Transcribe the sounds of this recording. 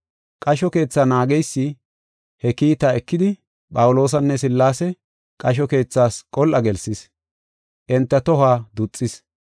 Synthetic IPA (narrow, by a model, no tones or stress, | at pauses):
kʼɐʃɔke̞ːt͡sːaːnaːɡɛjsːɪ | hɛkiːt̪aːɛkːɪd̪ɪ | pʼɐwʊlo̞ːs̬ɐnːɛs̬ɪlːaːsɛ | kʼɐʃ̬ɔke̞ːt͡sːaːskʼɔlʔɐɡɛlsɪs | ʔɛnt̪ːɐt̪ɔhaːd̪ʊt͡sʼːɪs